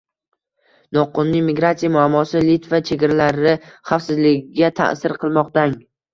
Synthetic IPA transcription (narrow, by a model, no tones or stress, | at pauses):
nɒqːʊnnːɪŋmɪɡɾat̪sijamʊamːɒsɪlit̪vat͡ʃʰe̞ɡʲaɾalaɾɪχafsɪzlɪɡʲɪɡʲat̪ʰa̰ʔsɪɾqʰɨlˠmɒqt̪aŋ